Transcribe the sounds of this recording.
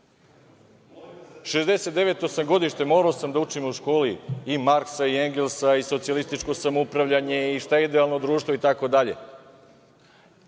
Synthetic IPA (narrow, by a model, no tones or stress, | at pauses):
ʃezd̪e̞se̞t̪d̪e̞ʋe̞t̪osamɡo̞d̪iʃt̪emoːɾaosamd̪aut͡ʃimuʃko̞ːliːimaɾksaieŋɡelsaiso̞t̪sialist̪it͡ʃko̞samoupɾaʋʎaɲe̞iʃt̪ajeid̪eaːlno̞d̪ɾuːʃt̪ʋo̞it̪ako̞d̪aʎe̞̰